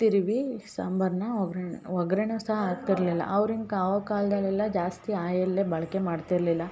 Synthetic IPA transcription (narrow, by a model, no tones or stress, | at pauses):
t̪iɾʋisɐmbʱɐɾnɐɡɾɔɡɾenuːsɐɦɐaːk̚t̪iɾlilːɐ̰ʔɐʋɾiŋɡaːʋɐkaːld̪ɐlːɛlːɐd͡ʒaːst̪iaːjɐlːebɐɭɐkemaːɖt̪iɾlilːɐ